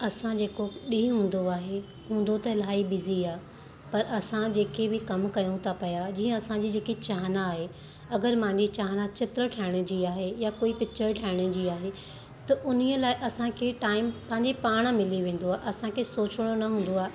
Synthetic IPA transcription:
ɐsãd͡ʑeːkoɗĩːɦũːn̆d̪oaːɦe | ɦũːn̆d̪ot̪ɐlaːibɪziaː | pɐɾʔɐsãd͡ʑeːkʰebɪkɐmkɐjũt̪ʰapɐjad͡ʑiːə̃ɐsãd͡ʑiːd͡ʑeːkit͡ɕaːɦnaːɦe | ɐɡəɾmɐ̃ɦɪ̃ɲd͡ʑit͡ɕaːɦnat͡ɕɪt̪ɾəʈʰaːɪɽ̃ə̆d͡ʑiːaːɦejakoːipɪt͡ɕəɾʈʰaːɪɽ̃ə̆d͡ʑiːaːɦe | t̪ɐʔʊniəlaːɪʔɐsãkʰeʈaːɪmpɐ̃ɦɪ̃ɲd͡ʑepaːɽ̃mɪliʋẽːn̆d̪oaːeʔɐsãkʰesoːt͡ɕɽ̃onɐɦũːn̆d̪oaːɦe

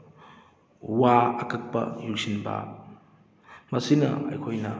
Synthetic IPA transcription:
waɐkɐk̚pɐ̰julsinbɐ̰ | mɐsinɐ̰ɐ̰jkʰojnɐ̰

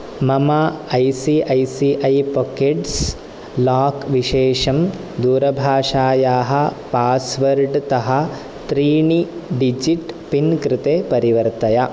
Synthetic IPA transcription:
mɐmaɐjsiʔɐjsiʔɐjpokeʈs | laːkʋiʃɛːʂɐm | d̪uːɾɐbʱaːʂaːjaːɦɐ̆paːsʋɐɾɖt̪ɐɦɐ | t̪ɾiːɳiɖid͡ʒiʈpinkɾɪt̪eːpɐɾiʋɐɾt̪ɐjɐ

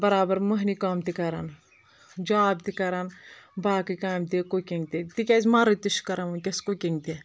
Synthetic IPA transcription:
bɐɾaːbɐɾmuɦnikaːmt̪ikɐɾɐn | d͡ʒaːb̚t̪ikɐɾɐnbaːkikaːjmt̪ikukʲiŋɡt̪it̪ikʲazʲmɐɾɨt̪iʃkɐɾɐmɐkʲɐskukiŋɡt̪i

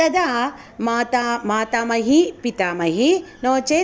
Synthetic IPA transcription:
ɐd̪a | mat̪amaːt̪aːmɐɦipit̪aːmɐɦinoːt͡ʃeː

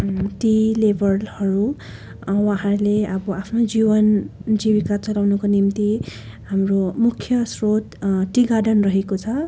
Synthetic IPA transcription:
ʈilebʱʌrlhʌɾu | waɦãɾleʌbʌapʰnod͡zibʌnd͡zibikat͡sʌlawnukonimt̪i | hamromukʰːjʌsrot̪ʈiɡaɖʌnrʌɦekot͡sʰʌ

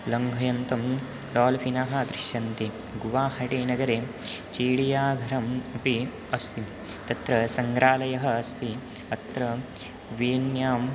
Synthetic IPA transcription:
lɐŋɡʱɐjɐnt̪ɐm | lɔːlɐfʰinaːɦɐ̆d̪ɾɪʃjɐnt̪i | ɡuʋaːɦɐʈeːnɐɡɐɾeːt͡ʃeːɽijaːɡʱɐɾɐmɐpi | ɐst̪i | t̪ɐt̪ɾɐsɐŋɡɾaːlɐjɐɦɐɐst̪i | ɐt̪ɾɐ | ʋeːnjaːm

